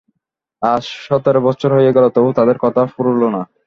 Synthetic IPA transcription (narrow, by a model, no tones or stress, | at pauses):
aʃʃɔt̪oɾebɔtːɕʰoɾɦojeɡɛlot̪oot̪ad̪eɾkɔt̪ʰafuɾulona